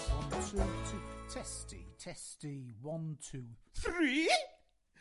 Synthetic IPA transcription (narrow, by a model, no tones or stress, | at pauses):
wʌ̃ntʰutʰətʰɛstḭtʰɛstiwʌ̃ntʰəθɹiː